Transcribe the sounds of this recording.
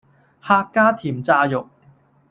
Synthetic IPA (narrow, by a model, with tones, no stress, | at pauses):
haː˧kːaː˥t̪ʰiː˨˩mt͡saː˧jʊ˨k̚